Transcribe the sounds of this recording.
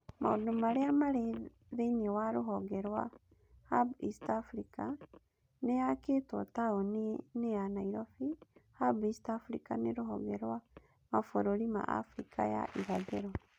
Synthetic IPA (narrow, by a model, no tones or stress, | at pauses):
ma̰odomaɾeamaɾe | ðeɲewaɾoɦɔɡɛɾwa | habḭstafɾika | nejaketwɔtaoneneanaiɾɔfihabistafɾḭka̰neɾoɦɔ̰ɡɛɾwa | mafoɾoɾima̰ʔa̰fɾikʰa̰ja̰ʔiɾaðeɾɔ